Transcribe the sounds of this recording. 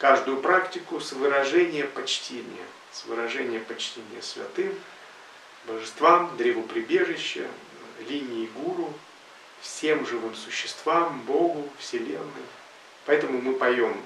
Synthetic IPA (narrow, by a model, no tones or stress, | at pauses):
kaʐd̪ʊjʊpɾaktʲɪkʊsvɨɾɐʐɛnʲɪjəpɐt͡ɕtʲenʲɪ̰jə̰ | svɨɾɐʐɛnʲɪjəpɐt͡ɕtʲenʲɪ̰jəsvʲɐ̰t̪ɨm | bəʐɨst̪vamd̪ɾʲevʊpɾʲɪbʲe̞ʐɨɕːɪ̰ | lʲinʲɪɪɡuɾʊ | fsʲe̞mʐɨvɨmsʊɕːɪ̥st̪vambo̞ɡʊfsʲɪlʲenːɨj | pɐɛt̪əmʊmɨpɐjom